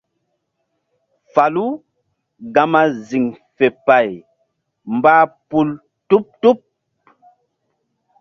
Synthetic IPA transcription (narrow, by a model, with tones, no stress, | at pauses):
fa˨lu˦ | ɡa˨ma˦zi˨ŋfe˨pa˨j | mba˦pu˦l | tu˦p̚tu˦p̚